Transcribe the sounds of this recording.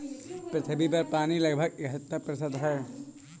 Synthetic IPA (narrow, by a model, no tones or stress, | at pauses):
pɾɪt̪ʰəbʱip̬ɐɾpaːnilɐɡbʱəɡɪɦət̪ːəɾpɾɐsəd̪ɦɛː